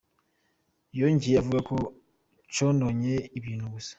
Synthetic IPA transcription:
joɲɟiavuɡako̞ | t͡ʃonoɲe̞iβiːnhuβusḁ

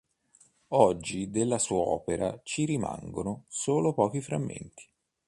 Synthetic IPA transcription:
ɔd͡ʒːid̪elːasuːaɔ̰ːpeɾa̰t͡ʃiɾima̰ŋɡonosoːlopɔːk̟ifɾa̰mːḛnt̪ʰi̥

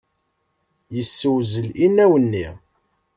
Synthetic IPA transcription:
jəsːəwzəlinːæwənːi

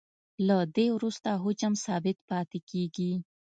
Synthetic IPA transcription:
lad̪ewɾust̪aɦʊt͡ʃəmsɑːbɪt̪pɑːt̪ekeːɡi

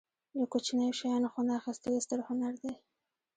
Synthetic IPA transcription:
ləkot͡ʃinajoʃajɑnoxonaːxist̪əd̪əst̪əɾhʊnaɾd̪e

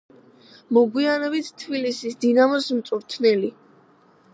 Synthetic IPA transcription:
mɔɡwianɔbit̪ʰt̪ʰːbilisisd̪inamɔsmt̪sʼuɾt̪ʰnɛli

